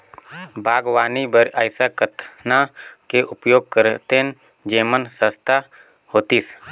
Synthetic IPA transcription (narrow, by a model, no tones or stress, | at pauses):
bʱaːɡwaːnibəɾaɪsakət̪nakeʔʊpjoːɡ̚kəɾt̪en | d͡ʒeːmənsəst̪a | hoːt̪iːs